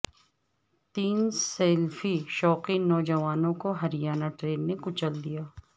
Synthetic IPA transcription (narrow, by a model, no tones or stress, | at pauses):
t̪iːnsɛːlfiʃɔːqinɔːd͡ʒɐʋaːnõkoɦɐɾɪjaːnaʈɾeːnːekʊt͡ʃəld̪ijaː